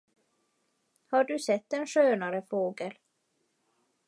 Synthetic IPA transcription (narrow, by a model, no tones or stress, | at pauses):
haɖɵsɛt̪ːɛnʂøːnaɾəfoːɡəl